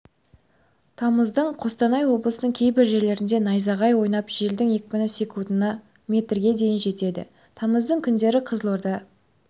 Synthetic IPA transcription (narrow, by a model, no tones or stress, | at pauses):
t̪ʰɑməzd̪əɴqʰo̞st̪ɑnɑjwo̞blˠəsənəɴkʲʰe̞jbɪɾʒe̞ɾle̞ɾɪnd̪e̞nɑjzɑʁɑjwo̞jnɑpʒeld̪ɪŋekʲɪpɪnəsekund̪ənɑ | mʲe̞t̪rɡʲe̞d̪e̞jɪnʒe̞t̪e̞d̪ɪ̰ | t̪ʰɑməzd̪əɴkʲʰʏnd̪e̞ɾɪqʰəzlˠoɾd̪ɑ